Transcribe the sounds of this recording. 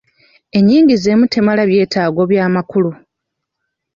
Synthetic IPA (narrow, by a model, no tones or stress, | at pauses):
e̞ɲːiːŋɟize̞mutʰe̞malaβje̞ːtaːɡo̞βjaːmakulu